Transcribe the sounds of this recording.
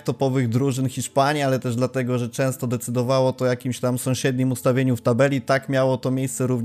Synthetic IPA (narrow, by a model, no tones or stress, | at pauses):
t̪ɔpɔvɘɣd̪ɾuʐɘnxʲiʂpaɲialɛt̪ɛʐd̪lat̪ɛɡɔʐɛt͡ʂɛ̃w̃st̪ɔd̪ɛt̪sɘd̪ɔvawɔt̪ɔjakʲimɕt̪amsɔ̃w̃ɕɛd̪ɲimust̪avʲjeɲuft̪abɛlʲit̪akmʲjawɔt̪ɔmʲjejst̪sɛɾuvɲ